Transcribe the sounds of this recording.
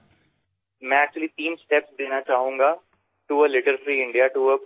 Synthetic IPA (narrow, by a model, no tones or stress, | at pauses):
mɛ̃ːɛk̚t͡ʃuəlit̪iːnsʈɛpsd̪eːnat͡ʃaːɦũːŋɡaː | ʈuəlɪʈəɾfɾiːɪ̃ɳɖijaʈuə